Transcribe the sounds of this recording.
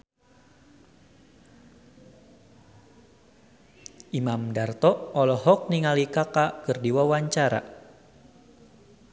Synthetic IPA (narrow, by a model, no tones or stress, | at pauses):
ʔimamdart̪ɔɔlɔɦɔk̚niŋalikakakɨrdiwawaɲt͡ʃaɾa̰